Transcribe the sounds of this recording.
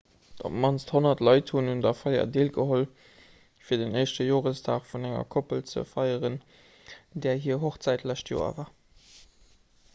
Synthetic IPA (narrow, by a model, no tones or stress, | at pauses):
d̥ɑ̰mɑnsthonɐtlɑɪthunhundɑfɑɪɐ̰deːlɡəɦol | fiːɐdəneɪʃtəjoːʁəsd̥a̰ːχfunæŋɐ̰kʰopəlt͡sə̰fɑɪəʁən | dɛːɐɦiːɐɦoχt͡sæɪtlæɕtʰjo̰ːɐ̰vaː